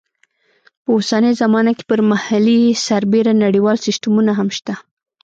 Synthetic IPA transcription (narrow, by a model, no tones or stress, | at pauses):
pəosanəjzamɑnake̥pəɾmahalisaɾbeɾanaɽiwɑlsɪstamunaɦamʃt̪a